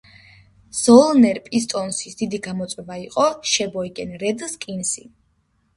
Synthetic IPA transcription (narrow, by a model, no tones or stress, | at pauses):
z̥ɔlˠnɛɾpʼist̪ʼɔnsisd̪̥id̪iɡamɔt̪sʼwɛbaiqʼɔʃɛbɔikʼɛnɾɛd̪skʼinsḭ